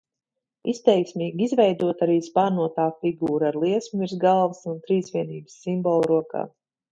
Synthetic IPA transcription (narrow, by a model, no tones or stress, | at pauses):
ist̪ɛjksmʲiːɡʲizvɛjd̪uɔt̪aɾiːspaːɾnuɔt̪aːfiɡuːɾaɾlˠiɛsmuiɾzɡalˠvəsunt̪ɾiːsvʲiɛniːbɨsːimbɔlˠɾuɔka̰ː